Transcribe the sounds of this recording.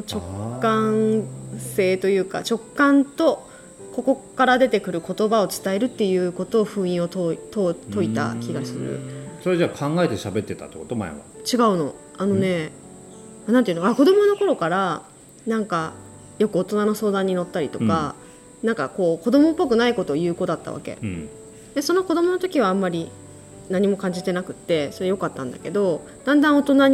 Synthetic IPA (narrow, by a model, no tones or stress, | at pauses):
t͡ɕo̞kːã | se̞ːt̪o̞jɯ̟ːka̰t͡ɕo̞kːãnt̪o̞ | ko̞ko̞kaɾad̪e̞t̪e̞kɯ̟ɾɯ̟ko̞t̪o̞bao̞t͡sɨ̥t̪ae̞ɾɯ̟t̪ːe̞jɯ̟ːko̞t̪o̞ːɸɯ̟̃ːĩo̞t̪oit̪ot̪o̞it̪a̰kʲiɡasɨ̰ɾɯ̰soɾed͡ʑaːkʰãŋɡae̞t̪e̞ɕabe̞t̪ːe̞t̪a̰t̪ːeko̞t̪oma̰eβa̰t͡ɕiɡaɯ̟no̞̰ | ano̞ne̞ | anãnt̪ejɯ̟noako̞d̪o̞mo̞no̞ko̞ɾo̞kaɾa | nãŋka | jo̞kɯ̟o̞t̪o̞nano̞so̞ːd̪ãɲ̟ːino̞t̪ːaɾʲit̪o̞ka | nãŋka̰ko̞ːko̞d̪o̞mopːo̞kɯ̟naiko̞t̪o̞ːjɯ̟ːko̞ːd̪at̪ːa̰βa̰ke̞̰ | d̪eso̞noko̞d̪o̞mo̞not̪o̞kʲiβ̞ãːmːaɾʲi | naɲ̟imo̞kãɲ̟d͡ʑit̪e̞nakɯ̟t̪ːe̞so̞ɾjo̞kat̪ːã̰nd̪ake̞d̪o̞ | d̪̥ãnd̪ãɰ̃o̞t̪o̞naɲ